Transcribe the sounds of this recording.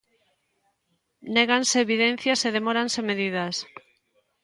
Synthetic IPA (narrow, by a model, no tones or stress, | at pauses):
neɣanseːβiðen̟θjaseðemɔɾansemeðiðas